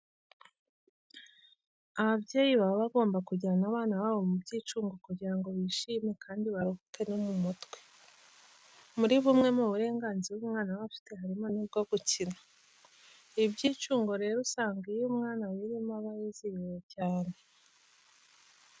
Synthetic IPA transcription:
aβabɟeːjiβaβoβaɡo̞ːmbakuɟiɾanaβaːnaβaβo̞mubɟiːt͡ʃuːŋɡo̞kuɟiɾaŋɡo̞βiːʃiːme̞kʰaːndiβaɾuhukenemumutwe̞̥ | muɾiβumŋe̞muβuɾe̞ːŋɡaːnziβumŋaːnawafi̥te̞ɦaɾimo̞nib̚ɡo̞ɡucina | ibɟiːt͡ʃuːŋɡo̞ɾe̞ɾusaːŋɡijumŋaːnawiɾimaβajizijwocaːne̞

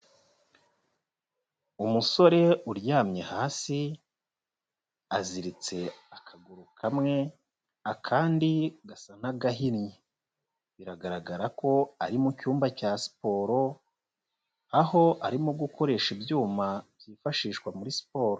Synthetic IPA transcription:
umuso̞ɾe̞uɾjaːmɲe̞haːsi | aziɾit͡se̞akʰaɡuɾukʰamŋe̞ | akʰaːndiɡasanaɡaɦinje | βiɾaɡaɾaɡaɾako̞aɾimucuːmbacaːsi̥po̞ːɾo̞ | aho̞ʔaɾimuɡuko̞ɾe̞ʃibjuːmabjiːfaʃiːʃkwamuɾisi̥po̞ːɾo

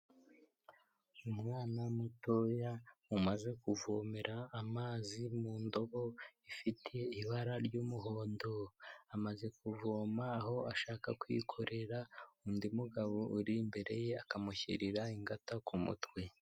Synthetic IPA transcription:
umŋaːnamutojaumaze̞kuvomeɾʔaːmaːzimuːndo̞βo̞ifitʰe̞iβaɾaɾɟuːmuɦo̞ːndo̞amaze̞kuvoːmaːɦo̞aʃaːkakwḭkʰo̞ɾʔe̞ɾaundimuɡaβo̞uɾimbe̞ɾe̞je̞akamuçḭɾiɾaiŋɡatakumṵtwe

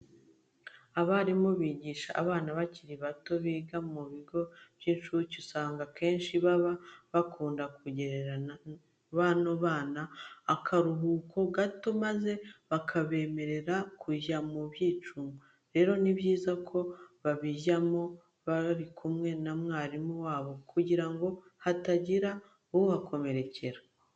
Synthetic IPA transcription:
aβaɾimoβiːɟiːʃaʔːβaːnaβaciɾiβato̞βiːɡamuβiɡo̞β̥jiːnʃuɾucusaːŋɡake̞ːnʃiβaβaβakʰuːndak̚uɟe̞ɾeɾan | βanoβaːnaːkʰaɾuɦuːkʰo̞ɡato̞maze̞βakʰaβe̞ːme̞ɾe̞ɾakʰuʒamuβjiːt͡ʃuːŋɡo | ɾe̞ːɾo̞niβjiːzakʰo̞βaβiʒamo | βaɾikʰumŋe̞namŋaːɾimuwaːβo̞kʰuɟiɾaŋɡo̞hataɟiɾa | uhakʰo̞me̞ɾe̞cʰe̞ɾa

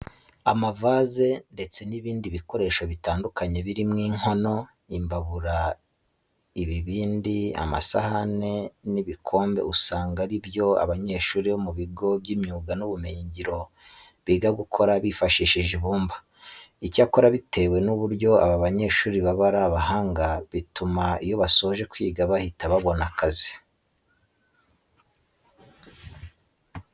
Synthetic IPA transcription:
amavaːze̞nde̞t͡se̞niβiːndiβiko̞ɾe̞ːʃoβitaːndukaɲe̞βiɾimŋiːŋ̥ho̞no̞ | imbaβuɾa | iβiβiːndia̰ma̰sa̰hane̞niβikʰo̞ːmbe̞̰usaːŋɡaɾibjo̞a̰βaɲe̞ːʃuːɾiβomuβiɡo̞bɟimɲuːɡanuβumejiɲɟiɾo̞ | βiːɡaɡukʰo̞ɾaβifaʃiːʃiʒiβuːmbḁ | icako̞ɾaβitʰe̞we̞nuβuɾɟo̞a̰βaβaɲe̞ːʃuːɾiβaβaɾaβaɦaːŋɡaβitumaijo̞βasoʒe̞kwiːɡaβahitaβaβo̞nakazi̥

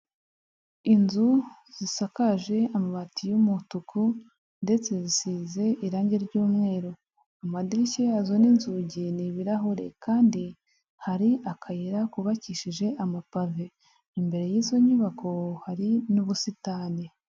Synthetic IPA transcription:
inzu | z̥isakaʒe̞amaβatijumutukʰu | nde̞t͡se̞zisize̞ʔiɾaːɲɟeɾɟuːmŋe̞ːɾo | amadiɾiceazoninzuɟiniβiɾaɦoɾe̞̰kaːndi | haɾiʔakʰajiɾakuβaciːʃiʒe̞ʔamapave | imbe̞ɾe̞jizo̞ɲuβakʰo̞haɾinuβusitaːni

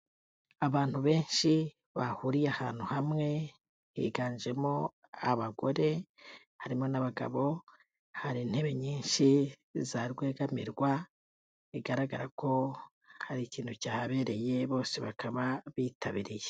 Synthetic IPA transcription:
aβaːn̥huβe̞ːnʃi | βahuɾijaha̰ːn̥huhamŋe̞ | hḭɡaːɲd͡ʒe̞mo̞ | aβaɡo̞ɾe̞ | haɾimo̞naβaɡa̰βo̞ | haɾin̥he̞βe̞ɲiːnʃi | zaɾɡwe̞ːɡamḭɾɡwa | iɡaɾaɡaɾako̞ | haɾiciːn̥hucaːhaβe̞ːɾe̞je̞βo̞ːse̞βakʰaβaβiːtʰaβiɾije

